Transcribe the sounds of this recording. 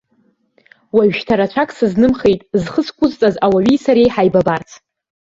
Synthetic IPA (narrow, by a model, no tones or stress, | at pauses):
waɥʃtʰaɾat͡ʃʷʰakʼsɨznɨmχejtʼzχəskʷʼʊzt͡sʼazawaɥijsaɾejħajbabart͡sʰ